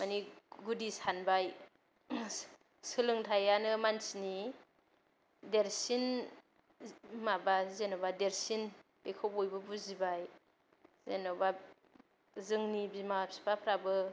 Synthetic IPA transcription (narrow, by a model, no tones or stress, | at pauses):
maniɡudisanbaj | sɯlɯŋtʰajanɯmansini | deɾsin | mabazenɔbadeɾsinb̥ekʰowbɔjbɯbuzibaj | zenɔba | zɯŋnibimap̚si̥pʰapʰɾabɯ